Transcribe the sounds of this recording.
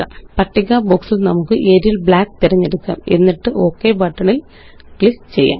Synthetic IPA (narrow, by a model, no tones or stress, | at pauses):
a̰pɐʈːiɡaːbo̞ːksilnɐmukːɨʔeːɾijilbɭaːkt̪iɾɐɲːeɽukːa̰ːme̞̰nːiʈːɨʔo̞ːkːebaːʈːɐɳil | klift͡ɕe̞jːa̰ːm